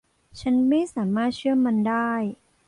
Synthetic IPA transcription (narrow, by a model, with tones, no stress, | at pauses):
t͡ɕʰa˦˥nma˥˩jsaː˩˦maː˥˩t̪̚t͡ɕʰɯ˥˩əma˧ndaː˥˩j